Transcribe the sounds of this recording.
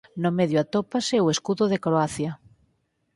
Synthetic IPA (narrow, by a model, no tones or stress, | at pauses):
nomeðjoat̪opaseoeskuðoðekɾoaθja